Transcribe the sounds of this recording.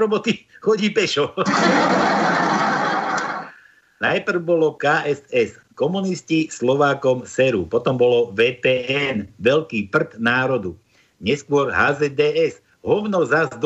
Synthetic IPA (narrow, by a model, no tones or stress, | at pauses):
ɾɔbɔt̪ixɔɟiːpɛʃɔ | najpr̩ʊbɔlɔkaːʔɛsɛskɔmuniscislɔʋaːkɔmsɛɾṵpɔt̪ɔmbɔlɔʋɛːpɛːɛnʋɛʎkiːpr̩t̪naːɾɔd̪u | ɲɛskʊɔɾɦaːzɛd̪ɛːɛz | ɦɔʊnɔzazd̪